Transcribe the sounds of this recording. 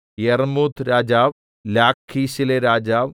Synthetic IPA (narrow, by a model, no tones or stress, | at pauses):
jermuːd̪ʰɾaːd͡ʑaːʋ | laːkʰːiːɕileɾaːd͡ʑaːʋ